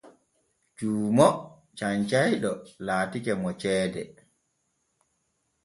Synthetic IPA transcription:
t͡ʃuːmɔ | t͡ʃaɲt͡ʃajɗɔlaːtikɛmɔt͡ʃɛːdɛ

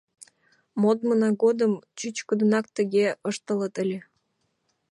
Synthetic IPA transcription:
mod̪mənɑɡod̪əmt͡ɕyt͡ɕkəd̪ənɑk̚t̪əɣʲeəʃt̪ə̆lət̪əlʲe

